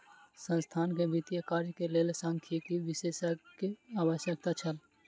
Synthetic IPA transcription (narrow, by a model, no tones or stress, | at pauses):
sə̃nst̪ʰaːnkebit̪ijəkaːɾjkeleːlesãːŋkʰekiʋɪseːsakiaːʋəʃjək̚t̪at͡ʃʰəl